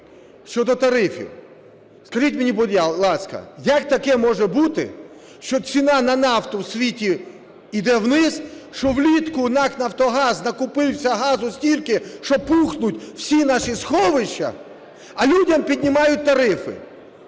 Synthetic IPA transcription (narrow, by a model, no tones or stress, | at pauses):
ʃt͡ʃɔd̪ɔt̪ɐɾɪfɪ̰ | skɐʒitʲmʲɪnʲibɔd̪ʲjalˠɑskɐ̰jɐk̚t̪ɐkɛmɔʒɛbut̪ɪ̰ | ʃt͡ʃɔt͡sʲinɑnɐnɑwt̪ɔwsʲʋʲitʲi | id̪ɛwnɪzʃt͡ʃɔwlʲit̪kʊnɑknɐwt̪ɔɦɑznɐkʊpɪwsʲɐɦɑzʊsʲtʲilʲkɪʃt͡ʃɔpuxnʊtʲwsʲinɑʃisxɔʋɪʃt͡ʃːɐ̰ | ɐlʲudʲɐmpʲid̪ʲnʲɪmɑjʊt̚ʲt̪ɐɾɪfɪ̰